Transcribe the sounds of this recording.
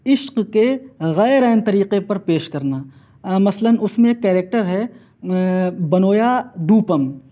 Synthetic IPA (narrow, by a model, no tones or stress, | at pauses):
ɪʃqkeɣɛːɾɛːnt̪ɐɾiːqepɐɾpeːʃkɐɾnaː | mɐslənʊsmẽkːɛːɾeːk̚ʈəɾɦɛ | bɐnoːjad̪uːpəm